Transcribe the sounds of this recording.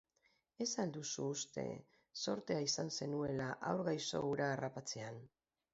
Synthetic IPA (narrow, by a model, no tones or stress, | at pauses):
e̞sald̪usuːst̪e̞̰ | so̞ɾt̪e̞aisanse̞nue̞laʔawɾɣajso̞̰uɾaːrapat͡se̞an